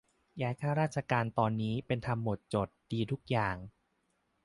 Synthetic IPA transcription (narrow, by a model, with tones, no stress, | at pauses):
jaː˦˥jkʰaː˥˩wɾaː˥˩t̪̚t͡ɕʰa˧kaː˧nt̪ɔː˧nːiː˦˥pe˧nt̪ʰa˧mːo˨˩t̪̚t͡ɕo˨˩t̪̚diː˧t̪ʰu˦˥k̚jaː˨˩ŋ